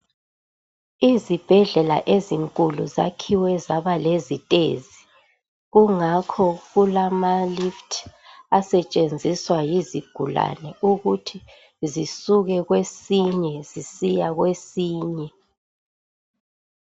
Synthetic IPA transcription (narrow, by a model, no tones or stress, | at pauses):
izib̥ʱɛɮɛla̰ʔeziŋkʼuluza̰kʰiwɛzaβalezitʼḛzi | ɣuŋakʰɔɣulamaliftʰasɛt͡ʃʼend͡zʱiswajiziɡ̥ʱula̰nɛuɣutʰi | zisuɣɛɣwesiɲɛzisijaɣwesiːɲɛ